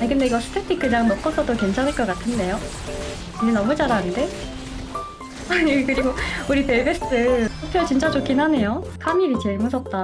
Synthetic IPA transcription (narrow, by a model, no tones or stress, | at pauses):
ajkɯnde̞iɡʌsʰɯ̥tʰetʰik͈ːɯɲaŋmʌk͈ʌsʰʌdoke̞nt͡ɕʰanɦɯɭkʌk͈atʰɯnde̞jo | ininʌmud͡ʑaɾanɯnde̞ | aɲikɯɾiɡouɾipe̞ɭbes͈ɯɭsʰʌpʰʌɭt͡ɕint͡ɕ͈ad͡ʑokʰinɦane̞jokʰamiɾit͡ɕe̞ɭmus̬ʰʌt̚t͈a